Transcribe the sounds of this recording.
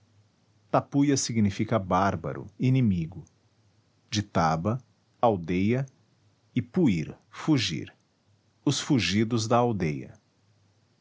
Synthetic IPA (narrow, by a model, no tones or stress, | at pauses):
t̪apujɐsiɡinifikɐbaɾbɐ̰ɾʊ̰inĩmiɡʊ | d͡ʒɪt̪abɐ | awd̪ejɐ | ɪpuiɾ | fuʒḭɾ | ʊsfuʒid̪ʊzd̪ɐawd̪ejɐ̰